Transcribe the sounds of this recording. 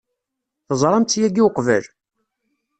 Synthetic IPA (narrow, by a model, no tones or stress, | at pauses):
θəzˤɾˤɑmt͡s̪ːjæɡiwqvæl